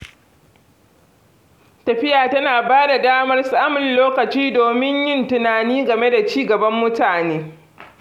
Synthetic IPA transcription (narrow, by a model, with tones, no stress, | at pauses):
tɐ˨ɸɪ˦jaː˨tɐ˦naː˨baː˦da˨daː˦mɐ˦rsaː˦mʊ˨nloː˦kɐ˨t͡ʃiː˦doː˨mɪ˦ɲjɪ˦ntɪ˨naː˨niː˦ɡɐ˨me˦da˨t͡ʃiː˦ɡɐ˨bɐ˦mːʊ˦taː˨neː˦